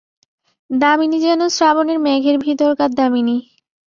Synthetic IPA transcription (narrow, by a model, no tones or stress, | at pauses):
d̪aminid͡ʑɛnosɾaboneɾmɛɡʱeɾbʱit̪oɾkad̪amini